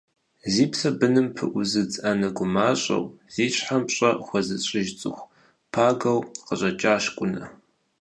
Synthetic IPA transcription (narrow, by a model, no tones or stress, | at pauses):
ziːpsɐbɨnɨmpʰɨʔʷʊzɨd͡zʼɐnɐɡʷʊmaːɕʼɐ̰wz̥iːɕħamɕʼɐxʷɔzɨɕʼɪʒt͡sʼɨxʷ | pʰaːɡɐwqəɕʼɐt͡ʃʼaːɕkʷʼʊnɐ̰